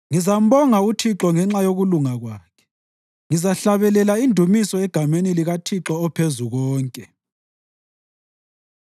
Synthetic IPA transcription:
ŋizam̩βɔŋautʰiǁɔŋɛŋ͡ǁajoɣuluŋaɣwaːkʰɛ̥ | ŋizaɬaβɛlɛlaindʱumisɔɛɡ̥ʱameniliɣatʰiǁɔːpʰezuɣɔːŋkʼɛ

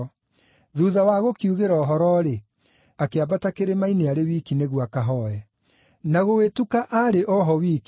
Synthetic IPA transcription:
ðuðawaɣokiuɣeɾɔːɦɔɾɔɾe | akeabatakeɾemaineaɾewikineɣwakaɦɔɛ | naɣowetukaʔaɾeʔɔɦɔwiːki

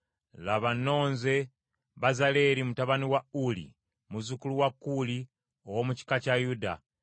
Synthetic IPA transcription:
laβanːo̞ːnze̞ | βazale̞ːɾimutaβaniwaulḭ | muzukuluwakːuli | owomuci̥kacajuda̰

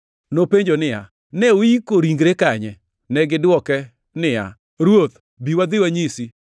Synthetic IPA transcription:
nopeɲd͡ʒonɪja̰ | nɛoikoɾiŋɡɾekaɲɛ | nɛɡɪdwɔkɛ | nɪja̰ | ɾwot̪ | biwad̪ɪwaɲisi

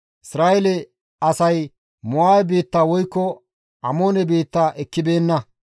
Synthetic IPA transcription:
ʔɪsɾaːʔɛlɛ | ɐsɐj | mɔaːɛbeːt̪ːaːwɔjkːɔ | ʔɐmoːnɛbeːt̪ːaːʔɛkːɪbe̞ːnːɐ

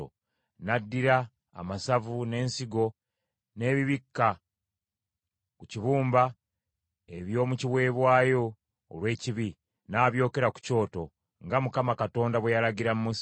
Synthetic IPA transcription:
o̰ | nadːiɾa̰ː | masavune̞ːnsiɡo̞ | ne̞ːβiβikːa | kuciβuːmba | e̞βjo̞ːmuciβwe̞ːβwaːjo̞̰ː | lwe̞ːciβi | naːβjo̞ːke̞ɾaku̥co̞ːto̞ | ŋɡamukamakato̞ːndaβwejalaɟiɾammus

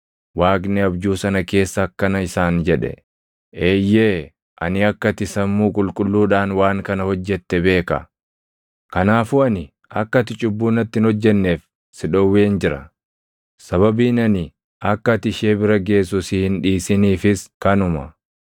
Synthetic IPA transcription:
waːɡnɛɐbd͡ʒuːsɐnɐke̞ːsːɐːkːɐnɐɪsaːnd͡ʒɛᶑɛ̰ | eːjːeː | ʔɐnɪɐkːɐt̪ɪsɐmːuːkʼʊlkʼʊlːuːᶑaːnwaːŋkɐnɐhɔd͡ʒːɛt̪ːɛbe̞ːkɐ | kɐnaːfʊɐnɪ | ʔɐkːɐt̪ɪt͡ʃʼʊbːuːnɐt̪ːɪhɪnhɔd͡ʒːɛnːe̞ːf | sɪᶑɔwːeːnd͡ʒɪɾɐ | sɐβɐbiːnɐnɪ | ʔɐkːɐt̪ɪʃeːbɪɾɐɡe̞ːs̬ʊsihɪnᶑiːsɪniːfɪskɐnʊmɐ

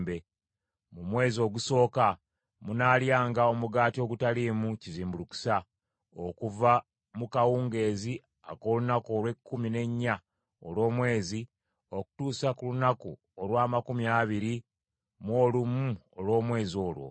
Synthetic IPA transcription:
be | mumwe̞ːzio̞ɡuso̞ːka | munaːljaːŋɡao̞muɡaːtio̞ɡutaliːmuciziːmbuluku̥sa | okuva | mukawuːŋɡe̞ːzi | a̰koːlunakoːlwe̞kːumine̞ɲːa | olwo̞ːmwe̞ːzi | o̞ku̥tuːsakulunaku | olwaːmakumiaːβiɾi | mwo̞ːlumuolwo̞ːmwe̞ːzio̞ːlwo̞̰

